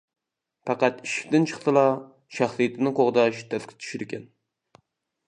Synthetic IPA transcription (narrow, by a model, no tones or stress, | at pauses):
pɑqæt̪iʃi̥kʲt̪ɪnt͡ʃʰəχsɨlˠɑ | ʃɑχsɨjɪt̪ʰɪnɨqoʁd̪ɑʃt̪ʰːɛskʰʲɪ̥t͡ʃ̪ʰy̥ʃyɾɪkʲʰɛn